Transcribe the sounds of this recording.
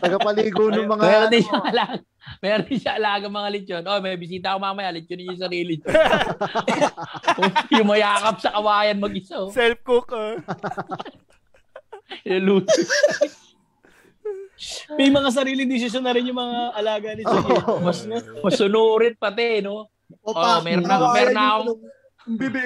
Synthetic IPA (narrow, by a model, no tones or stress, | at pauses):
ɐɡkɐpɐliːɡonʊŋmɐŋmɛːɾond̪ɪnʃɐŋɐlaːɡ | mɛːɾond̪ɪnʃaʔɐlaːɡɐŋmɐŋalɪt͡ʃjonʔojmɐjbɪsiːt̪ɐɐkomamɐjalɪt͡ʃjonɪnjʊŋsɐɾiːlɪ | ojʊŋmɐjaːkɐp̚sɐkɐwaːjɐnmɐɡʔɪsosɛlp̚kʊkɐ | jɐluːsɪs | mɛjmɐŋas̬ɐɾiːlɪŋd̪ɪsɪs̬jonːɐɾɪnjʊŋmɐŋaɐlaːɡɐlɪomɐsmɐsʊnuːɾɪn̚pɐt̪ɪno | ʔomɛːɾnakomɛːɾonakoŋ